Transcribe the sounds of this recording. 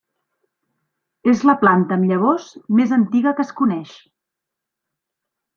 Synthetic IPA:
ezləplant̪əːmʎəβ̞ɔzmezənt̪iɣəkəskunɛʃ

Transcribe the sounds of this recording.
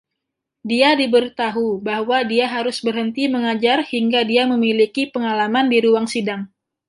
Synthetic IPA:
diadibəɾit̪aɦubahwadiaɦaɾʊsbərɦənt̪iməŋad͡ʒarhiŋɡadiaməmilikipəŋalamandiɾuwaŋsidaŋ

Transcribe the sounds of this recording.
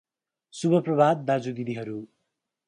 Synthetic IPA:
subʱʌprʌbʱad̪̚ːad͡zud̪id̪iɦʌɾu

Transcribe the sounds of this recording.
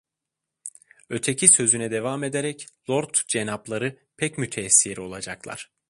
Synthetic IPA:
ø̞t̪ʰe̞cʰisø̞zynɛd̪e̞vame̞d̪eɾɛclˠoɾt̪d͡ʒenaplˠaɾɯ | pʰɛcmyt̪ʰɛsːiɾo̞lˠad͡ʒaklˠa̰ɾ̥

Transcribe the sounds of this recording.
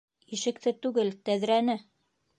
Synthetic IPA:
iʃɘ̆kt̪ɘt̪ʉɡɘlt̪æðɾænɘ

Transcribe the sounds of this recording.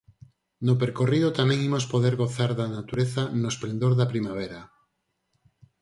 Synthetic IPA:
nopeɾkoriðot̪amẽŋimospoðeɾɣoθaɾðanat̪uɾeθanoesplend̪oɾðapɾimaβ̞eɾa

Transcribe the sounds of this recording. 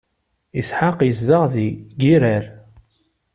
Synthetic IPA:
isħaqjəzðəʁðiɡiɾəɾ

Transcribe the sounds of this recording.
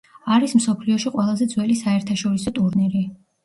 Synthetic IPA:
aɾismsɔpʰliɔʃiqʼwɛlˠazɛd̪zwɛlisaɛɾt̪ʰaʃɔɾisɔt̪ʼuɾnɛɾi

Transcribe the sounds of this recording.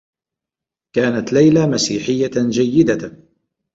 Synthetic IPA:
kaːnat̪lajlamasiːħɪjːad͡ʒajːɪd̪a

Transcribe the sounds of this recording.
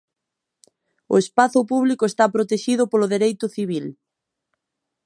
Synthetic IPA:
ʊ̰espaθʊpuβ̞likoest̪apɾot̪eʃiðʊpolʊðeɾejt̪ʊθiβ̞il

